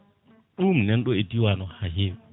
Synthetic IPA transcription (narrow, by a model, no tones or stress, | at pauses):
ɗumnɛnɗɔɛdiwanɔhaɦeːw